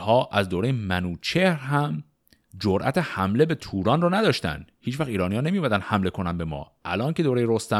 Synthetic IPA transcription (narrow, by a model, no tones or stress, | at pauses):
hɒːʔæzd̪oːɾejemænuːt͡ʃʰehɾɦæm | d͡ʒoɾʔæ̰t̪ʰehæmle̞be̞t̪ʰuːɾɒːnrɔnæd̪ɒːʃt̪æ̰nd̪̥hiːt͡ʃvæχiːɾɒːnijɒːnemijomæd̪ænhæmle̞kʰo̞nænbe̞mɒ̰ːʔælɒːnce̞d̪oːɾejeɾost̪æ